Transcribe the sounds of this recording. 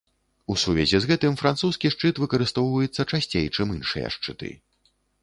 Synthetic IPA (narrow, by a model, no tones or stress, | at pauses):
usuvʲɛzʲɛzɣɛt̪ɨmfɾant̪suskʲiʂt͡ʂɨt̪vɨkɐɾɨst̪ɔwvɐjɛt̪sːɐt͡ʂasʲt͡sʲejt͡ʂɨmɨnʂɨ̰jɐ̰ʂt͡ʂɨ̰t̪ɨ̰